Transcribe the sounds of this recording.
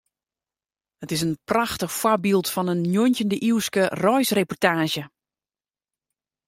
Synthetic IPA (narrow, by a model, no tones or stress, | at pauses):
hətɪs̬ənpraxtəxfwɔrbilˠtfɔnənːjontəndəʔiwskərɔjsrepɔrtaːʒjə